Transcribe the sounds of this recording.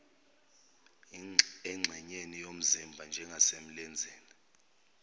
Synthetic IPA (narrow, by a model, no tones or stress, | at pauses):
ɛŋ͡ǁʱɛɲenijom̩zimbʱand͡ʒʱɛŋɡʱasem̩lɛnd͡zʱɛːni